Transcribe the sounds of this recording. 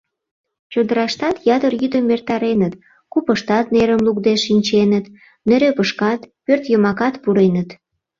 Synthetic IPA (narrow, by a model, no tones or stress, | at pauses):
t͡ɕod̪əɾɑʃt̪ɑt̪jɑt̪ərjyd̪əmːert̪ɑɾenət̪ | kupəʃt̪ɑt̪neɾəmlukd̪eʃːinʲt͡ɕenət̪ | neɾøpəʃkɑt̪pørt̪jəmɑkɑt̪puɾenət̪